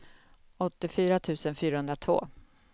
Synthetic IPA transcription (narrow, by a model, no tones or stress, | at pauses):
ɔt̪ːɪfyːɾat̪ʰʉ̟ːsənfyːɾaɦɵnd̪ɾat̪ʰvo̰ː